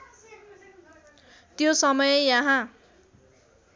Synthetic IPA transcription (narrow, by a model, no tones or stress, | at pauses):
t̪josʌmʌjejʌɦã